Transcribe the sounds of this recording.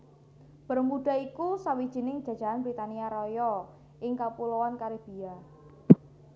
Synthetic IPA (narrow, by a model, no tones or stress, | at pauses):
b̥ərmuɖ̥a̤ikusawid̥ʒ̥i̤nɪŋ̥d͡ʒ̥ä̤dd͡ʒʒ̥a̤ɦanbɾit̪aniaɾɔjɔ | ʔɪŋkapulowankaɾib̥ia